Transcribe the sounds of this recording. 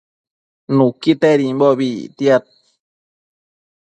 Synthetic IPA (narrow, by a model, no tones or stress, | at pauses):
nũkit̪eɾimboβit̪iat̪̚